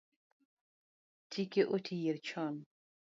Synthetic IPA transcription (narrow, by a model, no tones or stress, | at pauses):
tʰikeʔotʰijeɾt͡ʃʰɔn